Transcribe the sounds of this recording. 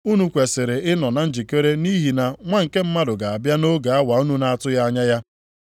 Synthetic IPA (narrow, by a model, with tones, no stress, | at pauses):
u˦nu˨kʷe˨sɪ˨ɾɪ˨ɪ˦nɔ˨na˨n̩˦d͡ʒi˨ke˦ɾe˦ni˦ɦi˨na˨ŋʷa˦ŋ̩˨ke˦m̩˦ma˦dʊ˨ɡa˨a˨bja˦no˦ɡa˨a˦wa˨u˦nu˦na˦a˦tʊ˦ja˦a˦ɲa˦ja˦